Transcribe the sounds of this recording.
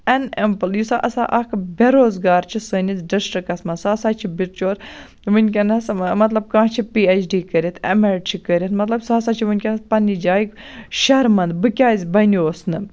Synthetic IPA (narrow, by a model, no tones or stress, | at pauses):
ɐnempɨljusa̰ːʔɐsa̰ːʔɐkbʲeɾoːzɡaːɾt͡ʃʰisəːnit͡s̪ɖɐsʈɐkɐsmɐnsaːɐsaːt͡ʃʰibiʈt͡ʃʰoːɾ | ʋɨnʲkʲɐnɐsmɐt̪lɐb̚kãːt͡ʃʰipiːet͡ʃʰɖiːkəɾʲit̪ʰḛmeɾʈt͡ʃʰikəɾʲɐt̪mɐt̪lɐbsaːsaːt͡ʃʰiʋɨnʲkʲɐnpɐnːid͡ʒaːjikʃɐɾmɐnd̪bɨkʲaːzʲbɐnioːsnɨ